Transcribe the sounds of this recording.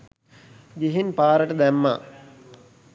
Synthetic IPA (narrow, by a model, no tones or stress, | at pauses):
ɡeɦinpaːɾəʈəd̪æmːa̰